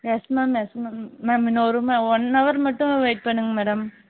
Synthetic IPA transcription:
jɛsmaːmjesmamːeːmɪnːoɾumãɔnːɐʋɐɾmɐʈːɯ̃ʋeːʈ̚pɐɳːɯŋɡɐmɛːɽɐm

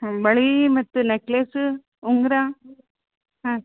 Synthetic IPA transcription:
ãbɐɭimɐt̪ːɯnɛkleːsɯ | ʊŋɡɪɾaː | ɦã

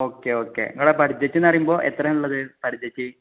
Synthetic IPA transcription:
oːkːeoːkːḛɐ̰ŋːɐɽepɐʈʰid͡ʑːɐt͡ɕːenːɐrijumbo̞ːʔet̪ːrɐmuɭːɐðɨpɐʈʰid͡ʑ̪ːɐt͡ɕːɨ

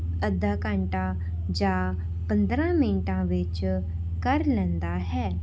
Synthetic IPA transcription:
əd̪aːkãɳʈãː | d͡ʒaː | pə̃nd̪ɾãːmɪnʈãːʋɪt͡ʃ | kəɾlɛ̃ːnd̪aːɦɛː

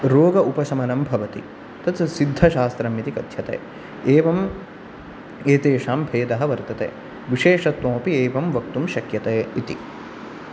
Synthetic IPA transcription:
ɾoːɡɐʔupɐsɐmɐnɐmbʱɐʋɐt̪i | t̪ɐt̪sid̪ʱːɐʃaːst̪ɾɐmit̪ikɐd̪ʱjɐt̪ḛː | eːʋɐm | eːt̪eːʃaːmbʱeːd̪ɐɦɐ̆ʋɐɾt̪ɐt̪ḛː | ʋiʃeːʂɐt̪ːõːpieːʋɐmʋɐkt̪umʃɐkjɐt̪eːit̪ḭ

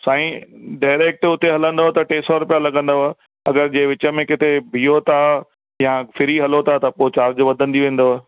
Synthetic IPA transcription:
saːĩɖaːɪɾeːk̚ʈʊt̪eɦɐlə̃nd̪oɦt̪ɐʈeːsɔɾʊpijalɐɡə̃nd̪oɦ | ɐɡəɾd͡ʑẽːʋɪt͡ɕə̆mẽkɪt̪ʰebʱiːot̪ʰa | jãfʰɪɾiɦɐlot̪ʰat̪ɐpoːɪt͡ɕaːɾd͡ʑʋɐd̪ʱə̃nd̪iʋẽːn̆d̪o

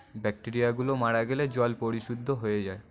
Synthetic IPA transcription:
bɛk̚ʈiɾijaɡulomaɽaɡeled͡ʑɔlpoɾiʃud̪ʱːoɦojed͡ʑae

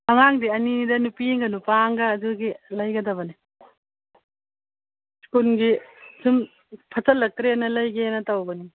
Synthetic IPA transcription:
ɐŋaŋdiɐnidɐnupiŋɡɐnupaŋɡɐːduɡilɐjɡɐdɐβɐni | si̥kunɡisim | pʰɐt͡ʃɐlːɐk̚tɾenɐlɐjɡenɐtɐwɡɐni

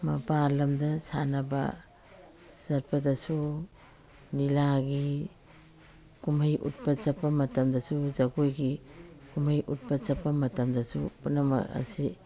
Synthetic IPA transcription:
mɐpalɐmdɐsa̰nɐbɐ̰ | sɐɾpʰɐdɐsu | nilaɡi | kumɐjʔṵt̚pɐt͡ʃɐpːɐmɐtɐmdɐsuzɐɡojɡikumɐjʔut̚pɐt͡ʃɐpːɐmɐtɐmdɐsṵpunɐmɐ̰ɐ̰si

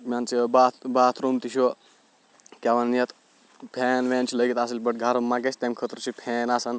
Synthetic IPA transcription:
mʲaːnt͡ʃʰibaːt̪ʰbaːt̪ʰɾomt̪iʃʰo | kʲaʋɐnjɐt̪ʰ | pʰeːnʋeːnt͡ʃʰiləɡit̪aːsilʲbɐʈ̚ɡʱaɾɐmːaɡesʲt̪emʲkʰət̪ɾt͡ʃʰipʰeːnaːsɐn

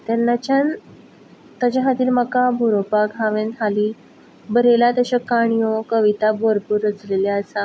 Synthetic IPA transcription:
t̪anːat͡ɕan | t̪at͡ɕaɦat̪iːɾməkabʱuɾopaɡʱaʋẽnt̪ʰali | bəɾelat̪əɕakaɳ̃ijokəʋit̪aboɾpuɾət͡slelaasa

